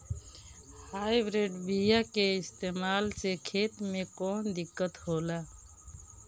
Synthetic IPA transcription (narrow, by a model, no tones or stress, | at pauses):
hajbɾeɖbijakeist̪emalsekʰet̪mekɔnd̪ikːət̪ɦola